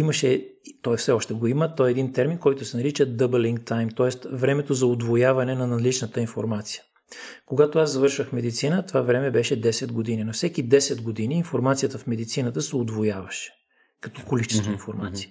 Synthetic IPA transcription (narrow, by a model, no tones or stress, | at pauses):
imɐʃɛt̪ɔjfsɛɔʃt̪ɛɡoimət̪ɔjɛd̪int̪ɛɾminkɔjt̪ʊsɛnɐɾit͡ʃəd̪əbɛliŋkt̪ajmt̪ɔɛst̪vɾɛmɛt̪ozɐod̪vojavɐnɛnɐnɐlit͡ʃnət̪əinfoɾmat̪si̥jə̥ | koɡat̪oazzɐvɤɾʃvəxmɛd̪it̪sinət̪ovavɾɛmɛbɛʃɛd̪ɛsɛd̪ɡod̪ininofsɛkid̪ɛsɛd̪ɡod̪iniːnfoɾmat̪sijət̪əfmɛd̪it̪sinət̪əsɛod̪vojavɐʃɛ̥ | kɐt̪ɔkolit͡ʃɛ̥svoinfoɾmat̪si̥ə